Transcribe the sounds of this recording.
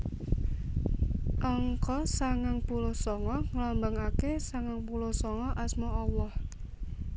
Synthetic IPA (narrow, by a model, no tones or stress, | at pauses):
ʔɔŋkɔsaŋaŋpulosɔŋɔŋəlɔmbaŋakesaŋaŋpulosɔŋɔʔasmɔalːɔh